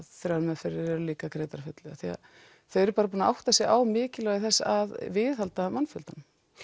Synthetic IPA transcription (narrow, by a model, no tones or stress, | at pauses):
θɾaɾmɛðfɪɾɪɾɛɾʏliːkakɾeːjt̪aɾ̥fʏt̪lɪaθia̰ | θœɛɾpaːɾapuːnaʔawht̪asjɛawmɪːcɪlœɣɪθɛsːaðvɪðhalt̪amanfʏlt̪an